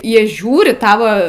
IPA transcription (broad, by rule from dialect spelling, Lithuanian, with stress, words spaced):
ˈjiɛ ˈʒʲuːrʲɪ ˈtɑːʋɐ